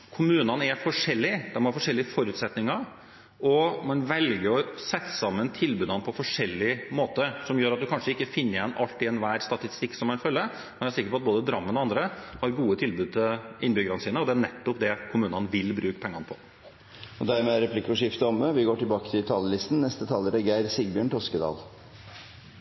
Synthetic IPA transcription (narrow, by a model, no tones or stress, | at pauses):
kʰʊmʉːnənæfɔʂɛlːɪd̪ɛnhɑɾfɔʂɛlːɪəfɔɾʉːt̪sɛt̪nɪŋɑɾ | ɔmɑnʋɛlɡəɾɔsɛt̪ːə̥sɑmːənt̪ʰɪlbʉːd̪ɑnəpʰɔfɔʂɛlːɪmoːt̪əsɔmjøːɾɑt̪̚d̪ʉkʰɑnʂəɪkːəfɪnːəɛnɑlt̪ɪɛnʋæːɾst̪ɑt̪ɪst̪ɪkːsɔmæɪnfœlːə | mɛnæɾʂsɪkːəɾpɔɑt̪̚boːd̪əd̪ɾɑmːənɔɑnd̪ɾəhɑɾɡuːət̪ʰɪlbʉːd̪̚t̪ʰəɪnːbʏɡəɾɑnəsiːnəɔd̪ɛæɳɛt̪ːɔpd̪ɛkʰʊmʉːnənʋɪlbɾʉːkə̥pʰɛŋːɑnəpʰɔ | ɔd̪æɾmeːæɾɛpʰlɪkːɔʂɪft̪əɔmːəʋɪɡoːʈɪlbɑːkə̥t̪ʰɪlt̪ʰɑːləlɪst̪n̩nɛst̪ət̪ʰɑːlːəɾɛɡæɪɾsɪɡbjøːɳʈ̪ʰɔskəd̪ɑ̰ːl